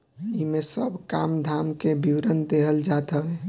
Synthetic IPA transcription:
imesəbʱkamd̪ʱaːmkebʱiwɾənd̪eɦəld͡ʒat̪əɦẽ

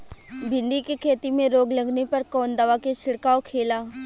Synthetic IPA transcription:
bʱɪ̃nd̪ikekʰeːt̪imẽɾoːɡlɐɡnepɐɾkɔːnd̪ɐʋaket͡ʃʰɪɽkaːokʰeːlaː

